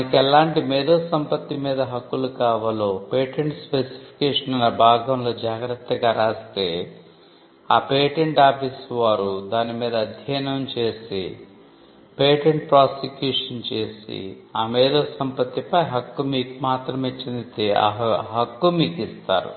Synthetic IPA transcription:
nikɛlaːɳʈimeːd̪oːsɐmpɐt̪ːimiːd̪ɐɦɐkːulukaːʋɐlo̞ːpeːʈeɳʈspesi̥pʰi̥keːʂɐnɐnɐbʱaːɡɐmlo̞ːd͡ʒaːɡɾɐt̪ːɐɡaːɾaːst̪e̞ː | aːpeːʈeɳʈaːpisʋaːɾud̪aːnimiːd̪ɐːd̪ʱjɐjnɐmt͡ʃe̞ːsḭ | peːʈeɳʈ̚pɾaːsikjuːʂɐnt͡ʃe̞ːsḭaːmeːd̪oːsɐmpɐt̪ːipɐjɦɐkːumiːkumaːt̪ɾɐmet͡ʃːind̪it̪ea̰ɦɐkːumiːkist̪a̰ːɾṵ

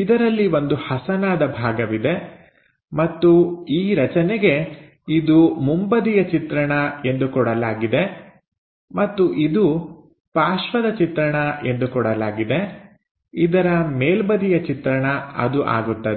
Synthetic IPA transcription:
id̪ɐɾɐlːiʋo̞nd̪uhɐsɐnaːd̪ɐbʱaːɡɐʋid̪e̞ | mɐt̪ːuiːɾɐt͡ʃɐneɡe̞ | id̪umumbɐd̪ijɐt͡ʃit̪ɾɐɳɐe̞nd̪ukɔɽɐlaːɡid̪e̞ | mɐt̪ːuʔid̪u | paːʃʋɐd̪ɐt͡ʃit̪ɾɐɳɐʔe̞nd̪ukɔɽɐlaːɡid̪e̞ | id̪ɐɾɐmeːlbɐd̪ijɐt͡ʃit̪ɾɐɳɐɐ̰d̪uʔa̰ːɡut̪ːɐd̪e

